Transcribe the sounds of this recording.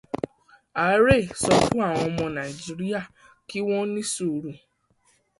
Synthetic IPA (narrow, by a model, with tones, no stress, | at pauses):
a˨˦ɾe˦˨sɔ˧fũ˦a˦˨w̃ɔ̃˧ɔ˧mɔ̃˧nã˨i˨d͡ʒi˧˦ɾi˦a˦˨ | ki˦w̃ɔ̃˦nĩ˦su˦˨ɾũ˨